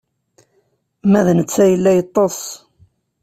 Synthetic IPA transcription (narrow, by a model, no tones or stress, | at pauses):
mæðnət͡sːæjəlːæjət̪ˤːosˤ